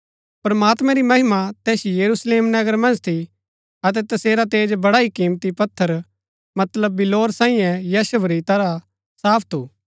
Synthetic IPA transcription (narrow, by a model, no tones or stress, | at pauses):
pɾɐmaːt̪mɛ̃ɾimɐɦɪmat̪ɛːsjɐɾusleːmnɐɡəɾmɐ̃nd͡ʒt̪ʰi | ɐt̪̬ɛt̪ɐseːɾat̪eːd͡ʒbɐɽaikĩːmt̪ipɐt̪ʰːəɾ | mɐt̪ləbːɪloːɾsãːĩjɛ̃jɐʃɐbɾit̪ɐɾa | saːpʰt̪ʰuː